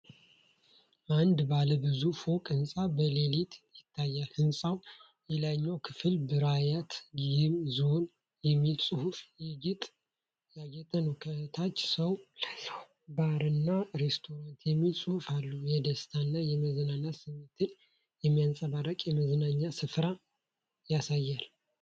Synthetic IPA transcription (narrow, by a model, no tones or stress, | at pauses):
ʔand̪baləbɨzufo̞kʼɨnsʼabəlelit̪ʰjɪt̪ʰːajːalhɨnsʼaw | jelaɲːawkʰɨfɨlbɨɾajat̪ɡɪmzo̞n | jɛmːilsʼɨhufjɛɡɪt̪ʼ | jaɡɛt̪ʰənəwkʰət̪ʰat͡ʃːsəwlalːəh | baɾɨnːaɾest̪ʰo̞ɾant̪jɛmːilsʼɨhufalːujɛd̪əst̪ʰanːajɛməzɨnaɲːasɨmːet̪ʰɨn | jɛmːijansʼaβaɾəkʼjɛməznaɲːasɨfɾa | jasajːal